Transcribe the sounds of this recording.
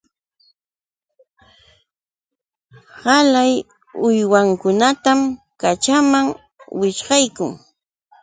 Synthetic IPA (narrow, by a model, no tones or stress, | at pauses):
hɑlaj | ʊjwaŋkʊnat̪am | kat͡ʃamaŋ | wɪʃɢɑjkʊ̰ŋ